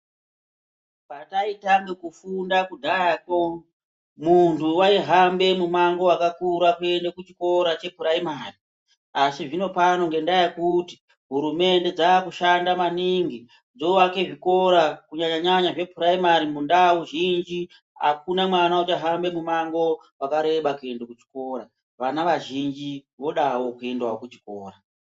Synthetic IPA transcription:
pataitaŋɡekufundakudʱaako | muntuwaiɦambe̞mumaŋɡo̞akakuɾakuendekut͡ʃi̥ko̞ɾat͡ʃe̞puɾaimaːri | asiʐino̞pano̞ŋɡe̞ndajekuti̥ | ɦuɾume̞nde̞d͡zaːkuʃandamaniŋɡi | d͡zoʋake̞ʐiko̞ɾakuɲaɲaɲaɲaʐe̞pʰuɾaimaɾimundawuʒind͡ʒi | a̰kunamwanaut͡ʃaɦambe̞mumaŋɡo̞ | wakaɾe̞ɓakue̞ndekut͡ʃi̥ko̞ɾa | ʋanaʋaʒind͡ʒiʋo̞ɗawo̞kue̞ndwaokut͡ʃi̥koːra

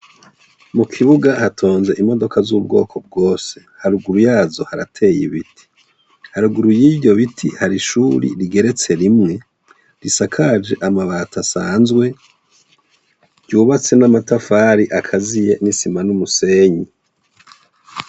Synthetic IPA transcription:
mukʰiβuɡahatʰo̞ːnze̞ʔimo̞do̞kazuːbɡo̞̰ːkʰo̞b̚ɡo̞ːse̞̥haɾuɡuɾujaːzo̞haɾa̰tʰe̞jḭβitʰi̥ | haɾuɡuɾujibɟo̞βitʰihaɾiʃuɾḭɾiɡe̞ɾe̞t͡se̞ɾimŋe̞ | ɾisakʰad͡ʒe̞ʔamaβaːtasaːnzɡwe̞ | ɟuːβat͡se̞namatafaːɾiʔakʰazije̞nisimanumuse̞ːɲi

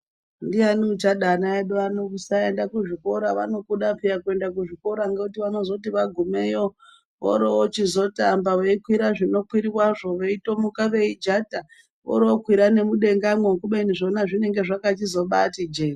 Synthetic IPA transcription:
ndianiut͡ʃaɗanaeɗoanokusaendakuʐiko̞ɾaʋa̰no̞kuɗapijakue̞ndakuʐiko̞ɾaŋɡeutiʋano̞zo̞tiʋaɡʱumejo | ʋo̰ɾoot͡ʃizo̞tambaweikwiɾaʐino̞kwiɾiwaʐo̞ʋeito̞mukaʋe̞id͡ʒata | o̰ɾookwiɾane̞muɗe̞ŋɡamwekuɓeiniʐo̞naʐine̞ŋɡe̞ʐakat͡ʃizo̞ɓatid͡ʒe

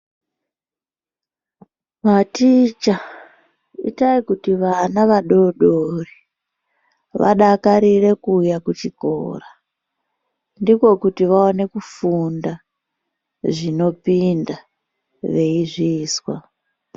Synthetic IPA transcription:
matit͡ʃa | ḭtaikutiʋanaʋaɗo̞ɗori | ʋa̰ɗakaɾire̞kujakut͡ʃiko̰ːra | ndiko̞kutiʋaone̞kufunda | ʐino̞pinda | ʋe̞iʐiːswa

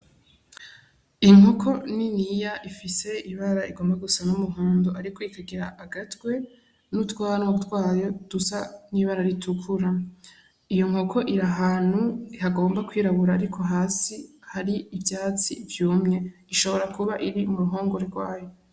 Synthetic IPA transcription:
iŋ̥okʰo̞ninijaʔifise̞iβaɾaiɡo̞ːmbaɡusanumuɦuːndoaɾikoikaɡiɾaʔːɡatwe̞ | nutwaːnwatwaːjo̞d̥usaniβaɾaɾitʰukʰuɾa | ijo̞ŋ̥o̞kʰo̞ʔiɾaɦaːn̥huihaɡo̞ːmbakwiːɾaβuɾaːɾikʰo̞ɦaːsi | haɾiːvjaːt͡sḭvjuːmŋe̞ | iʃo̞βo̞ɾakuβaʔiɾimuɾuɦo̞ːŋɡoɾeɾɡwaːjo̞

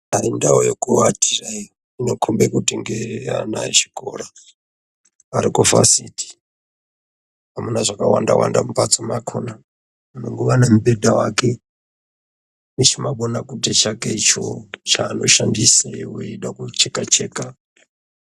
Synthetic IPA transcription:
aɾindawojokuwatʰirai | inokʰumbekutiŋɡea̰na̰it͡ʃi̥ko̰ɾa | ɾikofa̰siti̥ | amunaʐakawa̰ndawa̰ndamupat͡somakʰona | munoŋɡoʋanemuɓedʱawake | mut͡ʃimaɓonakutit͡ʃakeit͡ʃo̰t͡ʃanoʃandisawuiɗakut͡ʃekat͡ʃeːka

